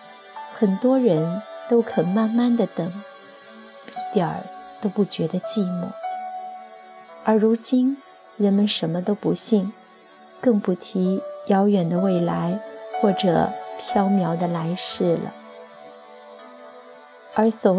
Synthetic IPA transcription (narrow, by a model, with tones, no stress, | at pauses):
xə˨˩nt̪wɔ˥ɻə˧˥nt̪o˥ʊkʰə˨˩nma˥˧nma˥˩nd̪ə˩t̪ɤ˨˩˦ŋ | pii˥˩t̪jə̰˞˨˩t̪o˥ʊpu˥˩t͡ɕɥɛ˧˥d̪ə˧t͡ɕi˥˧mṵ˥˩ | ə˞˧˥ɻu˧˥t͡ɕi˥n | ɻə˧˥nmə˧nʂə˧˥nmə˧t̪o˥ʊpṵ˧˥ɕi˥˩ŋ | kɤ˥˧ŋpu˥˩t̪ʰi˧˥jɑ˧˥ʊjɥɛ˨˩nd̪ə˦we˥˩ɪla˧˥ɪxwɔ˥˩ʈ͡ʂɤ̰˨˩pʰjɑ˥ʊmjɑ˧˥ʊd̪ə˧la˧˥ɪʂɻ̩˥˩lə̰˩ | ə˞˧˥sɔ˨˩